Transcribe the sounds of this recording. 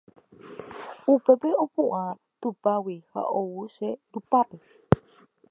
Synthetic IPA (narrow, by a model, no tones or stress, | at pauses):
upe̞peopuʔa | t̪upawiha̰ʔowuʃeɾupape